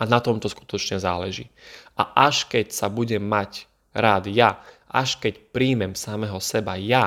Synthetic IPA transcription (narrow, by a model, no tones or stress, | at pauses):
ʔanat̪ɔmt̪ɔsku̥t̪ɔt͡ʃɲɛzaːlɛʒḭːʔa̰ʔaʃkɛcsabuɟɛmːac | ɾaːd̪jaʔa̰ʃkɛcpɾiːmɛmsamɛɦɔsɛbaja